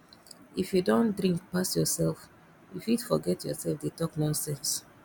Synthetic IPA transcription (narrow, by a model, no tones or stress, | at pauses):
ifjudõndɾĩŋk̚pasjɔsɛlf | ifitfɔɡɛtʰjɔsɛlfdetɔknɔ̃nsɛ̃ns